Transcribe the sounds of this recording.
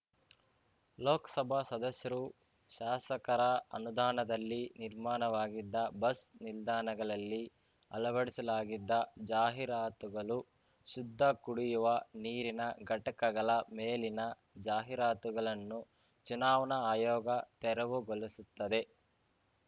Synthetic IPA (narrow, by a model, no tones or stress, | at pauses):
loɔːkɐ̥sɐbʱɐsɐd̪ɐsjɐɾu | ʃaːsɐkɐɾɐɐ̰nud̪aːnɐd̪ɐlːiniɾmaːnɐʋaːɡid̪ːɐbɐsnild̪aːnɐɡɐɭɐlːi | ɐ̰lɐʋɐɽisɐlaːɡid̪ːɐd͡ʒaːɦiɾaːt̪uɡɐɭu | ʃud̪ʱːɐkuɽijuʋɐniːɾinɐɡɐʈɐkɐɡɐɭɐmeːlinɐ | d͡ʒaːɦiɾaːt̪uɡɐɭɐnːu | t͡ʃunaːʋɐnɐaːjɔːɡɐt̪ɛɾɐʋuɡolisut̪ːɐd̪e̞